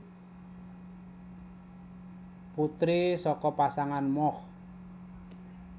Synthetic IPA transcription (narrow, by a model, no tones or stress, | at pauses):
put̪ɾisɔkɔpasaŋanmɔh